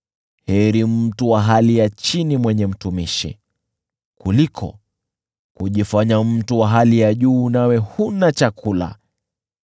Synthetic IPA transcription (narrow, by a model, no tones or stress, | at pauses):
hɛɾim̩tuwaɦalijat͡ʃinimwɛɲɛm̩tumiʃḭ | kulikʰɔ̰ | kuʄifaɲam̩tuwaɦalijaʄuːnawɛhunat͡ʃakʰula̰